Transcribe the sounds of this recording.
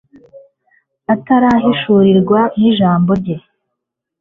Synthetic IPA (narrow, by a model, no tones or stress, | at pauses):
ataɾaɦiʃuːɾiɾɡwaniʒaːmbo̞ɾɟe̞